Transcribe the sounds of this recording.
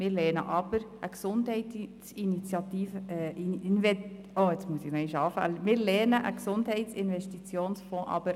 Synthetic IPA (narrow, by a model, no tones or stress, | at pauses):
mɪːɾlɛnə̰ʔɑb̥əɾʔəksʊndhɛɪtsinit͡sjɑt̪iːfəɛinvɛ | oːɪt͡smuəsɪxnɔiʃɑfa̰ləmɪːɾlɛnəʔə̰ksʊndhɛɪtt͡sɪnvɛʃtit͡sjoːnsfɔ̃ːʔɑ̰b̥əɾ